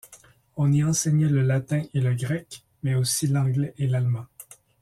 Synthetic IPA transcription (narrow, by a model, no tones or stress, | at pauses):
ɔ̃niɑ̃sɛɲɛləlat̪ɛ̃ʔeləɡʁɛk | mɛosilɑ̃ɡlɛʔelalmɑ̃